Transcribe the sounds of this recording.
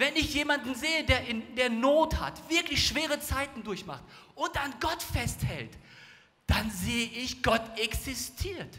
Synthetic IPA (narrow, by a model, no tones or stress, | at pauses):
vɛnɪçjeːmandn̩zeːədeːɐɪndeːɐnoːtha̰tv̥ɪɐklɪçʃv̥eːʁ̞ət͡saɪtn̩dʊɐçma̰χt | ʔʊntanɡɔtfɛsthɛ̰lt | d̥anzeːəʔɪçɡ̥ɔtɛksɪstʰiːɐt